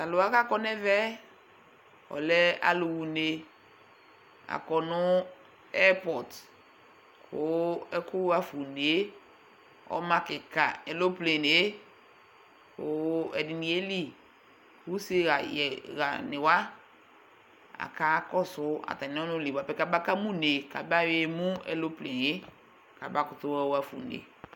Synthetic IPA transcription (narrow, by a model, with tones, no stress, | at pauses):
ta˨lʊ˨wa˨˦ka˦kɔ˦nɛ˦vɛ˦ | ɔ̰˨lɛ˦a̰˨lʊ˨wu˨ne˨ | a̰˨kɔ˨nʊ˦ | ɛ˦pɔ˨t | kʰʊ˦ɛ˦kʊ˦a˨fu˨ne˨e˦ | ɔ̰˨˦mã˦kɪ˨ka˨ɛ˨lo˦ple˨n˨e˦ | kʊ˨ɛ˨dɪ˨nĩ˨e˦li˦˨ | wu˦sɪ˦ɣa˨jɛ˨ɣa˨nɪ̃˨wa˦ | a̰˨ka˦kɔ˦sʊ˨˦a̰˨ta˨nɪ̃˨˦ɔ˦nʊ̃˦li˨wa˨pɛ˦ka˦ba˦ka˦mũ˦ne˨ka˨ba˦we˦mũ˦ɛ̰˦lo˦ple˨n˨e˦ | ka˨ba˦kʊ˨tʊ˦ɛ˦wa˦fṵ˨nḛ˨